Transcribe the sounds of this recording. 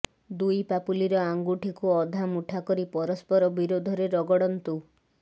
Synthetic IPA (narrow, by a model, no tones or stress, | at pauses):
d̪ujpapuliɾɔaŋɡuʈʰikuɔd̪ʱamuʈʰakɔɾipɔɾɔspɔɾɔbiɾod̪ʱɔɾeɾɔɡɔɽɔnt̪u